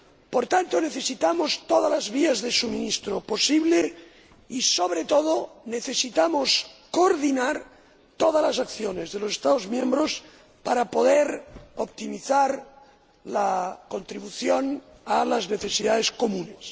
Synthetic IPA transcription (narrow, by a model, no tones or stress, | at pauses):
poɾt̪ant̪oneθesit̪amost̪oðalazβiazðesuminist̪ɾoposiβle | isoβɾet̪oðoneθesit̪amoskoɾðinaɾ | t̪oðalasakθjonezðelosest̪aozmjẽmbɾos | paɾapoðeɾopt̪imiθaɾ | lakont̪ɾiβuθjonalazneθesiðaðeskomũnes